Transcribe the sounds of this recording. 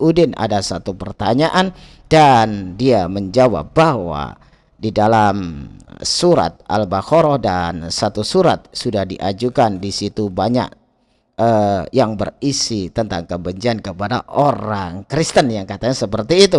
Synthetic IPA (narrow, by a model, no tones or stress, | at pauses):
udɪna̰dasat̪upərt̪aɲaʔan | dandiaməɲd͡ʒawa̰p̚bahɦwa̰ | didalam | suɾa̰t̪̚a̰lbahoɾɔdansat̪usuɾat̪̚sudahdiʔad͡ʒukandisit̪ubaɲa̰k̚ | əjaŋbərisit̪ənt̪aŋkəbəɲd͡ʒiankəpada̰ʔoɾaŋkɾist̪ənjaŋkat̪aɲasəpərt̪iːt̪u